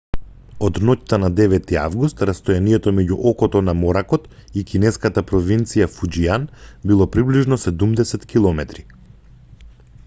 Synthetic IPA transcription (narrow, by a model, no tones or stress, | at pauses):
ɔd̪nɔct̪anad̪ɛvɛt̪iavɡust̪ɾast̪ɔjanijɛt̪ɔmɛɟuʔɔkɔt̪ɔnamɔɾakɔt̪ikinɛskat̪apɾɔvint̪sijafud͡ʒianbilˠɔpɾibliʒnɔsɛd̪umd̪ɛsɛt̪kʲilˠɔmɛt̪ɾi